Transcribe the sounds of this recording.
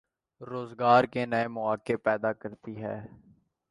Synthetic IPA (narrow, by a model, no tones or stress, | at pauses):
ɾoːzɡaːɾkeːnəemʊaːkeːpɛːd̪aːkəɾt̪iːɦɛ̰ː